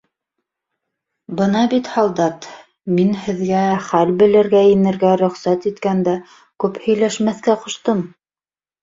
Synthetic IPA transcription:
bɤnɑbit̪hɑlˠd̪ɑt̪ | minhɘ̆ðɡæχælbɘ̆lɘ̆ɾɡæɘnɘ̆ɾɡæɾɵ̆χsæt̪it̪kænd̪æ | kʉphɵ̆jlæʃmæθkæqŏʃt̪ɤm

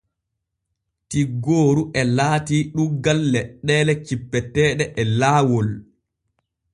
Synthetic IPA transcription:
tiɡoːɾuʔɛlaːtiːɗuɡːalːɛɗːɛːlɛt͡ʃipːɛtɛːɗɛʔɛlaːwɔl

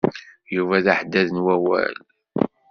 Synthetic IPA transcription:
juvæðaħd̪ːæðənwæwæ̰l

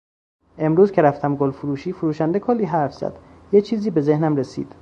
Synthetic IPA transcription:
e̞mɾuːzcʰe̞ɾæft̪ʰæmɡolfuɾuːʃiːfuɾuːʃænd̪ekʰolːiːɦæɾfz̥æ̰d̪̥ | jet͡ʃʰiːziːbe̞zehnæmɾesḭːd̪̥

